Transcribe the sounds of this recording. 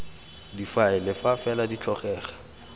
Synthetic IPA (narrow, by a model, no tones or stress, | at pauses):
difaɪlɛfafɛladit͡ɬʰɔχɛːχḁ